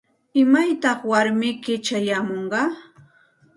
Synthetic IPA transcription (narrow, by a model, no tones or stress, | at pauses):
ɪmajt̪ɑχwaɾmɪkɪt͡ʃajaːmoɴɢɑː